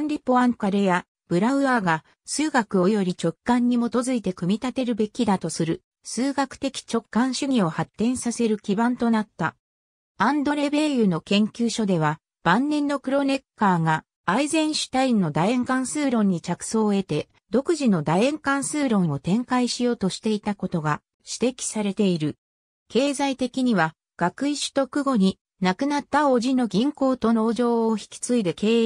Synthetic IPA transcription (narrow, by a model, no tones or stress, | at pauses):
nɾʲipo̞ãŋkaɾeja | b̥ɯ̟ɾaɯ̟aːɡa | sɨːɡakɯ̟o̞jo̞ɾʲit͡ɕo̞kːãɲ̟ːimo̞t̪o̞zɨit̪e̞kɯ̟mʲit̪at̪e̞ɾɯ̟be̞kʲid̪at̪o̞sɨɾɯ̟ | sɨːɡakɯ̟̥t̪e̞kʲi̥t͡ɕo̞kːãɰ̃ɕɨɲʲio̞hat̪ːẽ̞ɰ̃sase̞ɾɯ̟kʲibãnt̪o̞nat̪ːa | ãnd̪o̞ɾe̞be̞jɯ̟no̞kẽ̞ŋkʲɨːɕo̞d̪e̞β̞a | b̥ãnːẽ̞nːo̞kɯ̟ɾo̞ne̞kːaːŋaː | izẽ̞ɰ̃ɕi̥t̪ainːo̞d̪aẽ̞ŋkãɰ̃sɨːɾõ̞ɲ̟ːit͡ɕakɯ̟̥so̞ːe̞t̪e̞ | d̪o̞kɯ̟ʑino̞d̪aẽ̞ŋkãɰ̃sɨːɾõ̞ɰ̃o̞t̪ẽ̞ŋkaiɕijo̞ːt̪o̞ɕi̥t̪e̞it̪ako̞t̪o̞ɡa | ɕi̥t̪e̞kʲi̥saɾe̞t̪e̞iɾɯ̟ | ke̞ːzait̪e̞kʲiɲ̟iβa | ɡ̥akɯ̟iɕi̥t̪o̞kɯ̟ɡo̞ɲ̟i | nakɯ̟nat̪ːaoʑino̞ɡʲĩŋko̞ːt̪o̞no̞ːʑo̞ːçi̥kʲi̥t͡sɨid̪ekeː